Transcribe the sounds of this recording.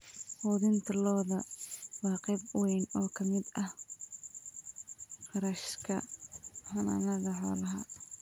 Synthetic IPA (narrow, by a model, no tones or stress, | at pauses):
fɔːðɪnt̪ʰɐlɔːðɐwɑːqɛjbwɛnɔːkʰɐmɪd̪ɐh | qɑɾɐʃkʰɐħɐnɐ̰nɐɣɐħɔ̰ːlɐɦɐ̰